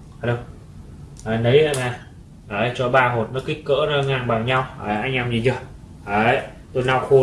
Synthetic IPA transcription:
aː˧ɗə˧ŋ͡m | ʔaː˨˩nə˨˦ja̰˧˨naː˨˩ | ʔəː˨˧˩jt͡ɕɔ˧ɓaː˧ɦo˨˩t̚nɔ˨˦ki˦˥k̚kːə̰ː˧˥nə˧ŋaː˨˩nɓa˨˩ŋɲa˧wʔaː˨˩ʔa˧˦jŋa˧mzi˨˩zə˧˩ | ʔəː˨˩ | t̪o˧jna˧wxo˧

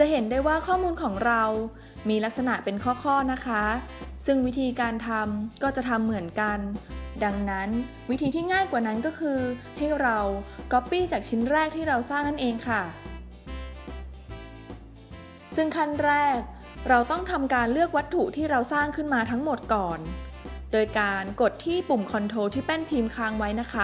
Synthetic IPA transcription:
t͡ɕa˨˩ɦe˩˦ndaː˥˩jwaː˥˩kʰɔː˥˩muː˧nkʰɔː˩˦ŋɾa˧w | miː˧la˦˥k̚sa˧na˨˩ʔpe˧nkʰɔː˥˩kʰɔː˥˩na˦˥kʰa˦˥sɯ˥˩ŋwi˦˥t̪ʰiː˧kaː˧nt̪ʰa˧mkɔː˥˩t͡ɕa˨˩t̪ʰa˧mːɯ˩˦ənka˧nda˧ŋna˦˥n | wi˦˥t̪ʰiː˧t̪ʰiː˥˩ŋaː˥˩jkwaː˨˩na˦˥nkɔː˥˩kʰɯː˧ | ha˥˩jɾa˧wkɔ˦˥pːiː˥˩t͡ɕaː˨˩k̚t͡ɕʰi˦˥nɾɛː˥˩k̚t̪ʰiː˥˩ɾa˧wsaː˥˩ŋna˥˩nʔeː˧ŋkʰa˥˩ | sɯ˥˩ŋkʰa˥˩nɾɛː˥˩k̚ | ɾa˧wt̪ɔ˥˩ŋt̪ʰa˧mkaː˧nlɯ˥˩ək̚wa˦˥t̪ʰːu˨˩t̪ʰiː˥˩ɾa˧wsaː˥˩ŋkʰɯ˥˩nmaː˧t̪ʰa˦˥ŋmo˨˩t̪̚kɔː˨˩n | doː˧jkaː˧nko˨˩t̪ʰːiː˥˩pu˨˩mkʰɔ˧nt̪ʰoː˧t̪ʰiː˥˩pɛ˥˩npʰiː˧mkʰaː˧˥ŋwa˦˥jna˦˥kʰa˦˥˩

